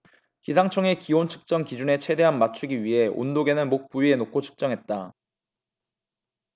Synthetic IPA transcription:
kisʰaŋt͡ɕʰʌŋe̞kiwont͡ɕʰɯ̥k̚t͡ɕ͈ʌŋkid͡ʑune̞t͡ɕʰwe̞de̞ɦanmat͡ɕʰuɡiɥiɦe̞ʔo̰ndoɡe̞nɯnmok̚p͈uɥie̞nokʰot͡ɕʰɯ̥k̚t͡ɕ͈ʌŋɦe̞t̚t͈a

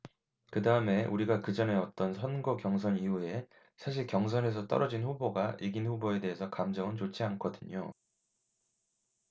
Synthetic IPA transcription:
kɯdaɯme̞ʔuɾiɡakɯd͡ʑʌne̞ʌt͈ʌnsʰʌnɡʌkjʌŋsʰʌniɦue̞ | sʰaɕ̬ʰiɭkjʌŋs̬ʰʌnɦe̞s̬ʰʌt͈ʌ̰ɾʌd͡ʑinɸuboɡaʔiɡinɸuboe̞de̞ɦesʰʌkamd͡ʑʌŋɯnt͡ɕot͡ɕʰiank͈ʰʌdɯɲo̰

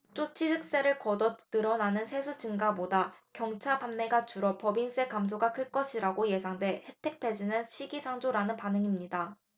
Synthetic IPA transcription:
t͡ɕ͈ot͡ɕʰitʰɯk̚s͈eɾɯɭkʌdʌt͈ɯɾʌnanɯnsʰe̞sʰut͡ɕɯŋɡabodakjʌŋt͡ɕʰabanme̞ɡat͡ɕuɾʌpʌbins͈ʰekamsʰoɡakɯɭk͈ʌɕʰiɾaɡoje̞sʰaŋde̞he̞tʰe̞k̚pʰe̞d͡ʑinɯnɕʰiɡisʰaŋd͡ʑoɾanɯnpanɯŋimɲida

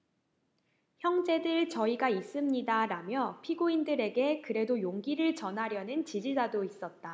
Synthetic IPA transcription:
çjʌŋd͡ʑe̞dɯɭt͡ɕʌiɡais͈ɯmɲidaɾamjʌpʰiɡoindɯɾe̞ɡe̞kɯɾe̞dojoŋɡiɾɯɭt͡ɕʌnɦaɾjʌnɯnt͡ɕid͡ʑid͡ʑadois͈ʌt̚t͈a

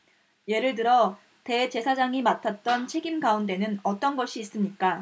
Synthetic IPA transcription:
je̞ɾɯɭt̬ɯɾʌ | te̞t͡ɕe̞sʰad͡ʑaŋimatʰat̚t͈ʌnt͡ɕʰe̞ɡimɡaunt̬͈e̞nɯnʌt͈ʌnɡʌɕʰiːs͈ɯmɲik͈a

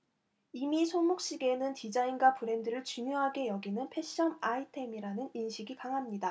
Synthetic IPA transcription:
imisʰomuk̚ɕ͈iɡe̞nɯntid͡ʑainɡwapuɾe̞ndɯɾɯɭt͡ɕumjoɦaɡe̞jʌɡinɯnpʰe̞ɕ͈ʌmaitʰe̞miɾanɯninɕʰiɡikaŋɦamɲida

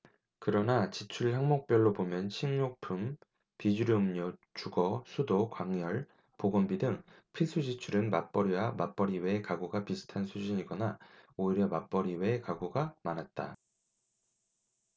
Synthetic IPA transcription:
kɯɾʌnat͡ɕit͡ɕʰuɭhaŋmok̚p͈jʌɭːobomjʌnɕʰiŋɲok̚pʰum | pid͡ʑuɾɯɯmɲʌt͡ɕuɡʌsʰudokwaŋjʌɭ | poɡʌmbidɯŋpʰiɭs͈ʰud͡ʑit͡ɕʰuɾɯnmap͈ʌɾiwamap͈ʌɾiwekaɡuɡapisʰɯ̥tʰansʰud͡ʑiɲiɡʌnaoiɾjʌmap͈ʌɾiwekaɡuɡamanɦat̚t͈a̰

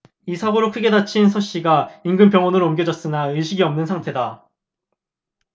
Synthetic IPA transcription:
isʰaɡoɾokʰɯɡe̞dat͡ɕʰinsʰʌɕ͈iɡaiŋɡɯnpjʌŋwʌnɯɾʌmɡjʌd͡ʑʌs͈ɯnaɯɕʰiɡiʌmnɯnsʰaŋtʰe̞da

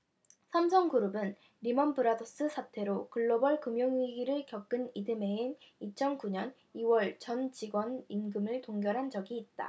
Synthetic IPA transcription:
sʰamsʰʌŋɡuɾɯbɯn | ɾimʌnbɯɾados͈ɯsʰatʰe̞ɾokɯɭːʌbʌɭkɯmjʌŋɥiɡiɾɯɭkjʌk̚k͈ɯnidɯme̞init͡ɕʰʌnkuɲʌn | iwʌɭt͡ɕʌnd͡ʑiɡwʌninɡɯmɯɭtoŋɡjʌɾɦand͡ʑʌɡiːt̚t͈a̰

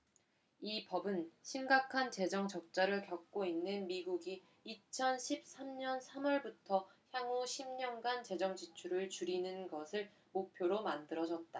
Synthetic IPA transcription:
ipʌbɯnɕʰimɡakʰant͡ɕe̞d͡ʑʌŋt͡ɕʌk̚t͡ɕ͈aɾɯɭkjʌk̚k͈oinːɯnmiɡuɡiː | t͡ɕʰʌnɕʰip̚s͈amɲʌnsʰamʌɭbutʰʌçjaŋuɕʰimɲʌnɡant͡ɕe̞d͡ʑʌŋd͡ʑit͡ɕʰuɾɯɭt͡ɕuɾinɯnɡʌsʰɯɭ | mopʰjoɾomandɯɾʌd͡ʑʌt̚t͈a

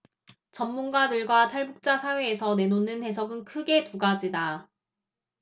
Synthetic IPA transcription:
t͡ɕʌmːunɡadɯɭɡwatʰaɭbuk̚t͡ɕ͈asʰawe̞ːsʰʌne̞nonɯnte̞s̬ʰʌɡɯnkʰɯɡe̞tuɡad͡ʑida

